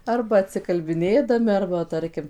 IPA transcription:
ˈɐrbɐ ɐtʲsʲɪkɐlʲbʲɪˈnʲeːdɐmʲɪ ˈɐrbɐ ˈtɐrʲkʲɪm

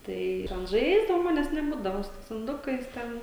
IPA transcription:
ˈtɐɪ ɪr ɐn ˈʒɐɪzdɐʋɐʊ ˈmɑːnʲɛs nʲɛˈbuːdɐʋoː sʊ ˈtɐɪs ɪnˈdʊkɐɪs ˈtʲɛn

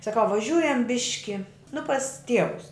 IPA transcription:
sɐˈkɐʊ ʋɐˈʒʲuːjɛm ˈbʲɪʃʲkʲɪ nʊ pɐs ˈtʲiɛʋʊs

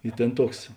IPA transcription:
ɪ ˈtʲeːn ˈtuɔks

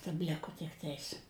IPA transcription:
tɐbʲˈlʲɪkʊ tʲɪkˈtɐɪs

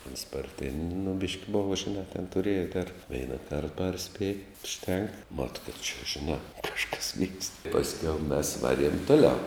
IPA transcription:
oːns pɐrʲˈtʲeːnʲ nʊ bʲɪʃʲkʲ ˈboːʋɐ ʒʲɪˈnɑː tʲɛn tʊˈrʲeːjɛ tʲɛr ˈʋʲɛɪnɐ kɐrt ˈpɐrʲsʲpʲeːj ʊʃʲˈtʲɛŋk mɐt kɐt t͡ʃʲɛ ʒʲɪˈnɑː ˈkɑːʃkɐs ʋʲiːkst pɐsʲˈkʲɛʊ mʲɛs ˈʋɑːˌrʲiɛm ˈtʊˌlʲɛʊ

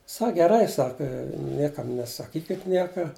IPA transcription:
ˈsɐk ɡʲɛˈrɐɪ ˈsɑːkɐ ˈnʲiɛkɐm nʲɛsɐˈkʲiːkʲɪt ˈnʲiɛkɐ

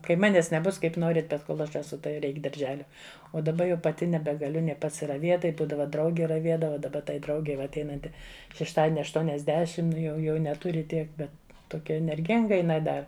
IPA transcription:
ˈkɐɪ ˈmɑːnʲɛs nʲɛˈbʊs ˈkɐɪp ˈnoːrʲɪt ˈbʲɛt ˈkoːlˠ ˈɐʃ ɛˈsʊ tɐɪ ˈrʲɛɪk dɐrʲˈʒʲæːlʲɛ oː dɐˈbɐ jɛʊ pɐˈtʲɪ nʲɛbʲɛɡɐˈlʲʊ ˈnʲeː pɐsʲɪrɐˈʋʲeːt ˈtɐɪ ˈbuːdɐʋɐ ˈdrɐʊɡʲɪ rɐˈʋʲiɛdɐʋɐ dɐˈbɐ tɐɪ ˈdrɐʊɡʲɛɪ ʋɐ ɐtʲˈɛɪnɐnʲtʲɪ ʃʲɛʃˈtɑːdʲiɛnʲɪ ɐʃtuɔnʲɛzʲˈdʲæːʃʲɪm ˈnʊ jɛʊ ˈjɛʊ nʲɛˈtʊrʲɪ ˈtʲiɛk ˈbʲɛt toːˈkʲɛ ɛnʲɛrʲˈɡʲɪŋɡɐ ɪˈnɐɪ ˈdɐ

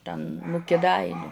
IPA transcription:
ˈtʲɛn nʊ kʲɪˈdɐɪnʲʊ

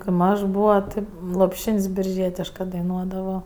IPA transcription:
kɐɪ ˈmɐʃ ˈbuːʋɐ ˈtʲɪ lˠoːpʲˈʃʲɪnʲsʲ bʲɪrʲˈʒʲiɛtʲɪʃkɜ dɐɪˈnuɔdɐʋoː

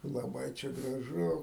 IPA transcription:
lˠɐˈbɐɪ t͡ʃʲɛ ɡrɐˈʒʊ

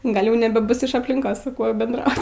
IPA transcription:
ˈɡɐlʲ ˈjɛʊ nʲɛbʲɛˈbʊs ɪʃ ɐpʲlʲɪŋˈkoːs sʊ ˈkuɔ bʲɛndˈrɐʊt

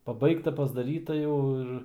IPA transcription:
pɐˈbɐɪktɐ pɐzdɐˈrʲiːtɐ ˈjɛʊ ɪr

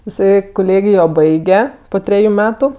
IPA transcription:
ɪˈsɐɪ kʊˈlʲeːɡʲɪjoː ˈbɐɪɡʲɛ poː ˈtʲrʲæːjʊ ˈmʲæːtʊ

